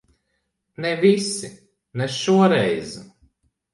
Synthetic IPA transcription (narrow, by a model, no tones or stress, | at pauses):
nɛvisi | nɛʃuɔɾɛjz